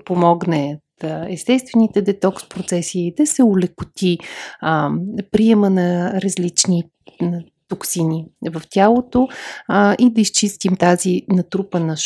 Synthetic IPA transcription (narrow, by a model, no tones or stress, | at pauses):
pomɔɡnɛt̪ɛst̪ɛst̪vɛnit̪ɛd̪ɛt̪ɔkspɾot̪sɛsiːd̪ɐsɛʊlɛkʊt̪ʲi | pɾiɛmənɐɾɐzlit͡ʃni | t̪oksinivɐft̪ʲjalˠot̪o | id̪ɐist͡ʃist̪imt̪azinɐt̪ɾupənɐʃ